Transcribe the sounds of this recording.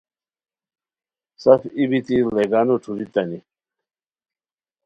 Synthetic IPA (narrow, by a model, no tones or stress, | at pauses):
sɐfibit̪ileɡaːnoʈ͡ʂʰuzit̪ɐni